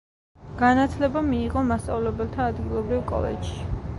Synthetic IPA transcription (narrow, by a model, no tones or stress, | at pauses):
ɡ̥anat̪ʰlɛbamiːʁɔmast̪sʼa̰vlɛbɛlt̪ʰaːd̪ɡilˠɔbɾivkʼɔ̰lɛ̰dʃi̥